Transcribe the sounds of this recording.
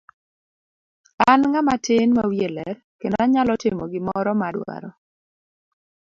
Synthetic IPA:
anŋamatɪnmawjelɛr | kendaɲalɔtɪmɔɡɪmɔɾɔmadwa̰ɾɔ

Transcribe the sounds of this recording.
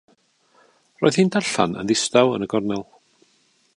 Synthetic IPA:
ro̰ːjð̥hiːndaɬa̰nə̰nðɪstawə̰nəɡɔrnɛlˠ

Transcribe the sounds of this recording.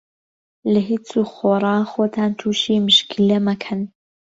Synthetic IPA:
lɐɦit͡suːxoːrˤɑːxoːt̪ʰaːnt̪ʰuːʃiːmɨʃkʰilɐmɐkʰɐn

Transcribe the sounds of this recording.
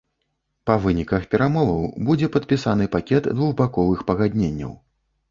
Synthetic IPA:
pɐvɨnʲikɐxpʲɛɾamɔvɐwbud͡zʲɛpɐt̪̚pʲisanɨpakʲɛd̪d̪vuɣbakɔvɨxpɐɣad̪ʲnʲenʲːɐ̰w

